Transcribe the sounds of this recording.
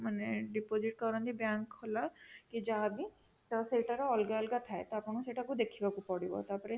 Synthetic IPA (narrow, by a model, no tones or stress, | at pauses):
maneɖipod͡ʒiʈ̚kɔɾand̪ibjaŋkholakid͡ʒaɦbi | t̪ɔseʈaɾɔɔlɡaɔlɡat̪ʰaet̪ɔapnkuseʈakud̪ekʰibakupɔɽibɔ̰t̪aɾpɔɾe